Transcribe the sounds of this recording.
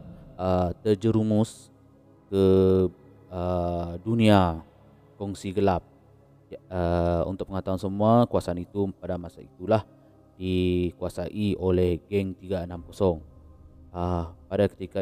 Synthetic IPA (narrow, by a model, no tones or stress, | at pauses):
ət̪əd͡ʒəɾumʊs | kə | ədunĩa | kɔŋsiɡəlap̚ | əṵnt̪ʊʔ̚pəŋat̪awansəmuakuwasaːnit̪upadamasa̰ḭt̪ulah | dikuasaʔiolɛhɡɛŋt̪iɡaənamkosɔŋ | əpadakə̥t̪ika